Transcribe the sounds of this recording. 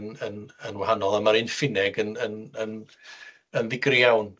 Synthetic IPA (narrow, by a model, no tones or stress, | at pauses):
nənənwahanɔlˠamaɾɨnfɪnɛɡənənən | ənðɪɡrjjawn